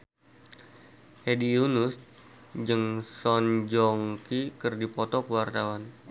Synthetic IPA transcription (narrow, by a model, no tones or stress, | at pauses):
hedijunus | d͡ʒɨŋsɔnd͡ʒɔŋkikɨrdipɔt̪ɔkəwart̪awan